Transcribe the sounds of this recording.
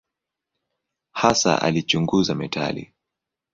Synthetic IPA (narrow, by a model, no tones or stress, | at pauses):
hasa̰ʔalit͡ʃuŋɡuzamɛtʰa̰lḭ